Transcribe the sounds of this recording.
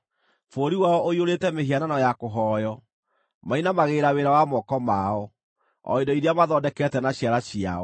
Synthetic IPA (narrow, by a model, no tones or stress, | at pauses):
foɾiwaɔʔoioɾetɛmeɦiananɔjakoɦɔjɔ | mainamaɣeɾaweɾawamɔkɔmaɔ | ɔ̰edɔiɾeamaðɔdɛkɛtɛnaɕjaɾaɕia̰ɔ